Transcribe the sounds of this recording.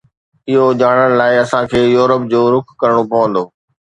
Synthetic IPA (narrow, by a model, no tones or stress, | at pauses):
ɪɦod͡ʑaːɽ̃əɽ̃̆laːɪɐsãkʰeːjuːɾəp̚d͡ʑoːɾʊkʰkɐɾəɽ̃opɐʋə̃nd̪oː